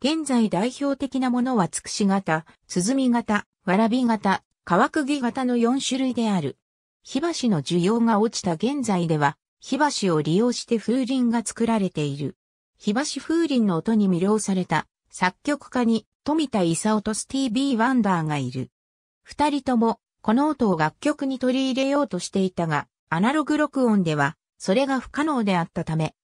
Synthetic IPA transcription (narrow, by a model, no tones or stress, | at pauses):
ɡ̥ẽ̞nd͡zaid̪aiço̞ːt̪e̞kʲinamo̞no̞βat͡sɨ̥kɯ̥ɕiɡat̪a | t͡sɨzɨmʲiɡat̪a | βaɾabʲiɡat̪a | kaβakɯ̟ɡʲiɡat̪ano̞jõ̞ɰ̃ɕɨɾɯid̪e̞aɾɯ̟̰ | çibaɕino̞d͡ʑɨjo̞ːŋao̞t͡ɕi̥t̪aɡẽ̞nd͡zaid̪e̞β̞a | çibaɕio̞ɾʲijo̞ːɕi̥t̪e̞ɸɯːɾʲĩŋɡat͡sɨ̥kɯ̟ɾaɾe̞t̪e̞iɾɯ̟̰ | çibaɕiɸɯ̟ːɾʲĩnːo̞ːt̪o̞ɲ̟imʲɯɾʲo̞ːsaɾe̞t̪a | sakʲːo̞kɯ̟̥kaɲ̟it̪o̞mʲit̪aisaot̪o̞sɨ̥t̪iːbʲiːβãnd̪aːɡaiɾɯ̟ | ɸɯ̟̥t̪aɾʲit̪o̞mo̞ | ko̞no̞ːt̪o̞oɡakʲːo̞kɯ̟ɲ̟it̪o̞ɾʲiːɾe̞jo̞ːt̪o̞ɕi̥t̪e̞it̪aɡaː | naɾo̞ɡɯ̟ɾo̞kɯ̟õ̞nd̪e̞βa | so̞ɾe̞ɡaɸɯ̥kano̞ːd̪e̞at̪ːat̪ame̞